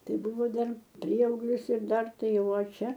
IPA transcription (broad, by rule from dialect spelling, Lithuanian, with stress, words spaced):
ˈtɐɪ ˈbʊʋoː ˈdɐr ˈpʲrʲiɛɐʊɡlʲɪs ɪr ˈdɐr ˈtɐɪ ˈjɛʊ oː ˈt͡ʃʲɛ